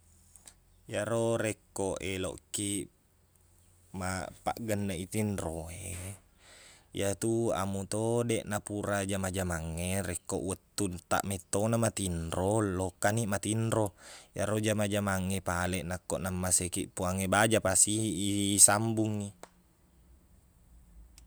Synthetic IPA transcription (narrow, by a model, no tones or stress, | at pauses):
jaɾoɾekːoʔelo̰ʔkːi | mapa̰ʔɡənːait̪inroe | jat̪ua̰mut̪odeʔnapuɾad͡ʒamad͡ʒamaŋːeɾekːo̰ʔwət̪ːunt̪a̰ʔmet̪ːonamat̪inrollokːanimat̪inɾoja̰ɾod͡ʒamad͡ʒamaŋːepalɛʔnakːoʔnamːasekiʔpuaŋebad͡ʒapasiːsambuŋːi